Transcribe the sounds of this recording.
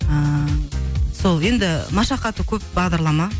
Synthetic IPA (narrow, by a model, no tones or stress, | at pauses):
ə | so̞lˠje̞nd̪ɪmɑʃɑqɑt̪əkʲʰɵp̚bɑʁd̪ɑɾlˠɑmɑ